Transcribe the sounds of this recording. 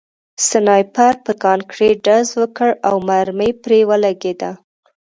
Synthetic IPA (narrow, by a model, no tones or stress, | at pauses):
sɪnɑjpaɾpəkɑnkɽeɖazwəkəɽawmaɾmejpɾewəlaɡed̪a